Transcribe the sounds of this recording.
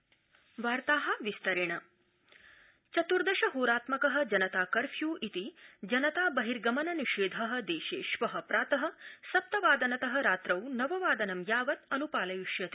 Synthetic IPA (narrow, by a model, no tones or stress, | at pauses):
ʋaːɾt̪aːɦɐ̆ʋist̪ɐɾeɳɐ | t͡ʃɐt̪uɾd̪ɐʃɐɦoːɾaːt̪mɐkɐɦɐ̆d͡ʒɐnɐt̪aːkɐɾfʰjuːʔit̪id͡ʒɐnɐt̪aːbɐɦiɾɡɐmɐnɐniʃeːd̪ʱɐɦɐ̆d̪eːʃeːʃʋɐɦɐ̆pɾaːt̪ɐɦɐ̆sɐp̚t̪ɐʋaːd̪ɐnɐt̪ɐɦɐ̆ɾaːt̪ɾɐwnɐʋɐʋaːd̪ɐnɐmjaːʋɐt̪ɐnupaːlɐjuʃjɐt̪i